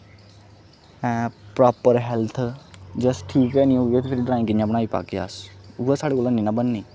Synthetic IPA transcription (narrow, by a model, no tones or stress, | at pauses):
ɛpɾaːpəɾɦɛlt̪ʰd͡ʒəsʈʰiːkɛːnĩoːet̪ʰepʰɪɾiɖɾaːɪ̃ŋkɪnĩãːpñaːiːpa̰ːkea̰suːasaːɽeːkoːlãːnĩːnãbənːiː